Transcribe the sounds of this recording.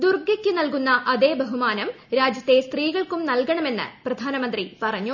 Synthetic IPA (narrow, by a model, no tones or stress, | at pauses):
d̪urɡɐkʲːɨnɐlkunːɐʔɐðeːbɐɦumaːnɐm | ɾaːd͡ʑjɐt̪ːe̞st̪riːɣɐɭkumnɐlkɐɳɐme̞nːɨ̰prɐd̪ʱaːnɐmɐnd̪ripɐrɐɲːu